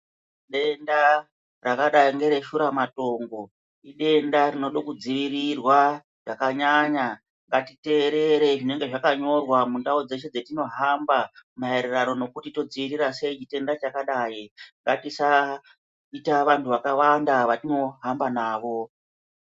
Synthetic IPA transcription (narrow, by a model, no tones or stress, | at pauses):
ɗe̞nda | rakaɗaiŋɡe̞ɾe̞ʃuɾamato̞ŋɡo̞ | iɗe̞ndaɾino̞ɗokud͡ziʋirirwa | ʐ̥akaɲaɲa | ŋɡatite̞ɾe̞ɾe̞ʐine̞ŋɡeʐakaɲo̞rwamundaod͡ze̞ʃe̞d͡zetino̞ɦambamaeɾirano̞no̞kutito̞d͡ziʋiɾirase̞it͡ʃite̞ndat͡ʃakaɗaiŋɡatisa | itaʋantʰuʋakawandaʋatino̞ɦambanaːʋo̞